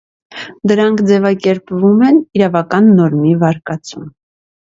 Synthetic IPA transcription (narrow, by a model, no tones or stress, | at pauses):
d̪əɾɑŋkʰd͡zɛvɑkɛɾpvumɛniɾɑvɑkɑnːɔɾmivɑɾkɑt͡sum